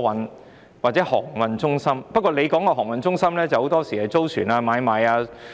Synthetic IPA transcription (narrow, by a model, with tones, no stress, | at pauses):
wɐ˨˧n | waː˨t̚t͡sɛː˨˥hɔ̰ː˨˩ŋwɐ˨nt͡ʃʊ˥ŋsɐ˥mpɐ˥kɔː˧le˨˧jkɔː˨˥ŋkɔː˧ɦɔː˨˩ŋwɐ˨nt͡sʊ˥ŋsɐ˥mlɛː˥t͡sɐ˨who˨˥wt̪ɔː˥siː˨˩ɐ˨˩jt͡so˥wt͡ʃʰyː˨˩naː˧maː˨˧jmaː˨˧jaː˧